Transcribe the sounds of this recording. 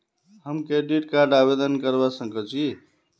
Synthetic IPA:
həmkeɖiʈkaɾɖabed̪ənkəɾbasəŋɡət͡ʃʰi

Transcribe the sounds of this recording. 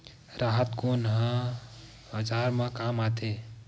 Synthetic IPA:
ɾaɦət̪konɦə̃ | bəd͡ʒaɾmãkamat̪ʰe

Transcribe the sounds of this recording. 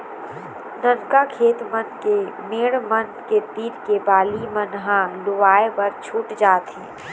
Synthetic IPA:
nənkakʰeːt̪mənkemeːɽmənket̪iːɾkebaːlimənɦãlʊʋaːepɐɾt͡ʃʰuːʈd͡ʒaːt̪ɦɛ̃ː

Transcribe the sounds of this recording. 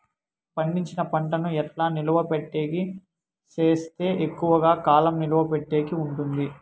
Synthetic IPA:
pɐɳɖiɲt͡ʃinɐpɐɳʈɐnuɛʈlaːnilɐʋɐpeʈːe̞ːki | t͡ʃe̞ːst̪e̞ːʔekːuʋɐɡaːkaːlɐmniluʋɐpeʈːe̞ːkiuɳʈund̪i

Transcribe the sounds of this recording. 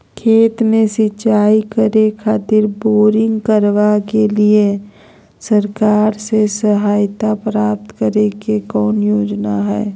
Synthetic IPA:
kʰeːt̪mẽsɪt͡ʃaːikəɾekʰaːt̪ɪɾboːɾɪ̃ŋɡkəɾʋakelie | səɾkaːɾsesəɦaːjt̪apɾaːp̚t̪kəɾekekɔːnjoːd͡ʒnaɦɛ̰ː

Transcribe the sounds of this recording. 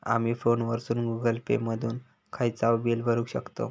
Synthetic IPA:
a̰miːfonʋəɾsuːnɡuɡəlpḛməd̪ʱuːn | kʰajt͡saʋbilbʱəɾuːkɕəkt̪o̰

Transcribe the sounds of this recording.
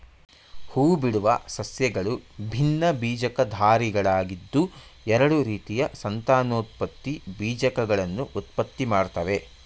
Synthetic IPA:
huːbiɽuʋɐsɐsjɐɡɐɭubʱinːɐbiːd͡ʒɐkɐd̪ʱaːɾiɡɐɭaːɡid̪ːuɛɾɐɽuɾiːt̪ijɐsɐnt̪aːnoːt̪̚pɐt̪ːibiːd͡ʒɐkɐɡɐɭɐnːuʔut̪pɐt̪ːimaːɽt̪ɐʋe̞

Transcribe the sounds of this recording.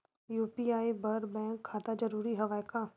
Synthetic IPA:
juːpiaːibɐɾbɛ̃ːŋkʰːaːt̪ad͡ʒɐɾuːɾiɦɐʋaːjka

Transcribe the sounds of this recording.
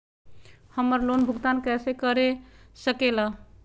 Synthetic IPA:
həməɾlonbʱuɡt̪ankɛsekəɾesəkela

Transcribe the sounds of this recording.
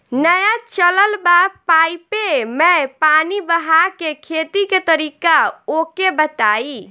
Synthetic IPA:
nəjat͡ʃələlbapajpemepanibəɦakekʰet̪iket̪əɾikaokebət̪ai

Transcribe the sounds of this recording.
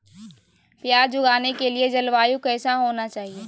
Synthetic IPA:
pjaːɾd͡ʒʊɡaːnekelied͡ʒɐlʋaːjũkɛːsaɦoːnat͡ʃaːɦieː

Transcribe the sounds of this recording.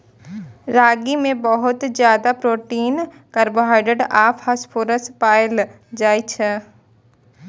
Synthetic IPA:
ɾaːɡimẽbəɦʊt̪zjaːd̪apɾoːʈiːn | kɐɾboɦaːɪɖeɖaːpʰhaspʰoːɾəspaːjɪl | d͡ʒaːit͡ʃʰɛ

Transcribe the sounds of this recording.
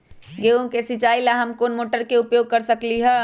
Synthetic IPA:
ɡeõkesit͡ʃaːilaɦɐmkoːnmoːʈəɾkeʊpjoːɡ̚kəɾsəkliɦɛ

